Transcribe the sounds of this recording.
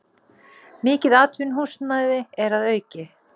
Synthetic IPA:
mɪːcɪðaːt̪ʰvʏnɦusnajðɪɛɾaðœːɥcɪ

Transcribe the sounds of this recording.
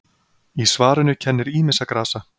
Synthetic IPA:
isvaːɾʏnʏcʰɛnːɪɾiːmɪsakɾaːsa

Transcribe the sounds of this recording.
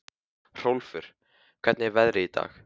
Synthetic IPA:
r̥owlfʏɾ̥ | kʰvɛt̪nɪɛɾvɛðɾɪit̪a̰ːx

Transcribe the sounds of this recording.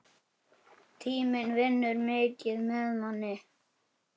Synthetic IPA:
t̪ʰiːmɪnvɪnːʏɾmɪːcɪðmɛðmanːɪ

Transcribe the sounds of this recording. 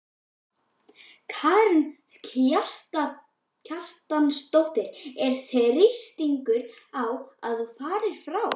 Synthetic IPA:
kʰaɾn | cʰjar̥t̪a | cʰar̥t̪anst̪owht̪ɪɾ̥ɛɾ̥θrɪst̪iŋkʏɾ | awa̰ðθufaːɾɪɾ̥fɾaw

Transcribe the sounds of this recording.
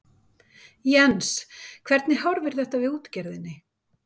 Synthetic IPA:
jɛnskʰvɛɾt̪nɪhɔɾvɪɾ̥θɛht̪avɪðuːt̪cɛɾðɪnːɪ

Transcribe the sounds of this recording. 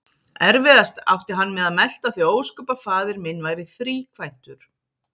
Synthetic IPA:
ɛɾvɪðast̪a̰wht̪ɪɦanːmɛðaðmɛl̥t̪aðθioːwskœpafaːðɪɾmɪnːvajɾɪθɾiːkʰvajn̥t̪ʏɾ̥

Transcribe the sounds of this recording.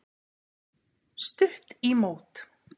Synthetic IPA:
st̪ʏr̥t̪imoːwt̪

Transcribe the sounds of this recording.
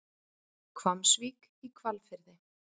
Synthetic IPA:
kʰvamsviːk | ikʰvalfɪɾðɪ

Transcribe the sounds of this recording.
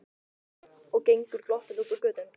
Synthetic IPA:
ɔɣcejŋkʏɾ̥klɔht̪ɪθukʏɾkœːt̪ʏm

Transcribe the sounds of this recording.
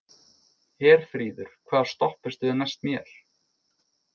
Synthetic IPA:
hɛːɾ̥fɾiːðʏɾ̥kʰvaːðɾ̥st̪ɔhpɪst̪ʏðɛnajst̪mjɛɾ̥

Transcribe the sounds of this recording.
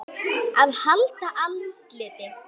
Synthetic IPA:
aðhalt̪aʔalt̪lɪːt̪ɪ

